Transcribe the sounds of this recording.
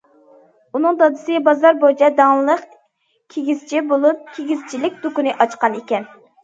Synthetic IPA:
unɨŋd̪ɑd̪ɨsɨbɑzɑɾbod͡ʒɛd̪ɑŋlˠəq | kʲʰeɡʲiz̥t͡ʃʰibolˠup̚kʲʰeɡʲizt͡ʃʰilɪk̚ʲd̪̥ukunɨʔɑt͡ʃqɑnekʲɛn

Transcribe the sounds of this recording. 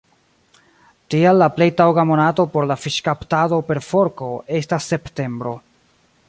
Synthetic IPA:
tialːaple̞jtawɡamo̞nato̞po̞ɾlafiʃkaptado̞pe̞ɾfo̞ɾko̞ʔe̞stasːe̞pte̞mbɾo̞

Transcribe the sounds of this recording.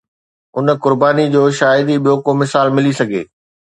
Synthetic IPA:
ʊnkʊɾbaːnid͡ʑoːʃaːɪd̪iɓijokomɪsaːlmɪlisɐɡʱḛː

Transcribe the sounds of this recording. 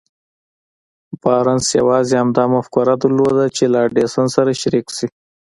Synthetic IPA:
bɑɾansja̰wɑzeamd̪ɑmʊfkʊɾad̪əɾlod̪at͡ʃelaɖesansaɾaʃaɾiksi

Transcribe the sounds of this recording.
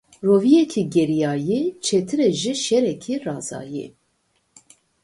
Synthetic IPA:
roːvijɛkʰiɡɛɾijɑːjet͡ʃʰɛt̪ʰɨɾɛʒiʃɛɾɛkʰirɑːzɑ̰ːjḛ

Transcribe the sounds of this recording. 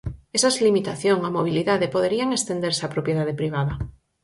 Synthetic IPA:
esazlimit̪aθjoŋamoβ̞iliðaðepoð̞eɾiaŋest̪end̪eɾsapɾopjeðaðepɾiβ̞aða

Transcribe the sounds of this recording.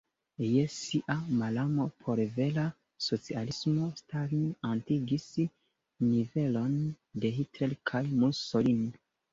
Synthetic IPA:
jesiʔamalamo̞pʰo̞ɾve̞la | so̞t͡sialismo̞staɾinantiɡis | nive̞lo̞n | de̞ɦitɾelkʰajmulsolin

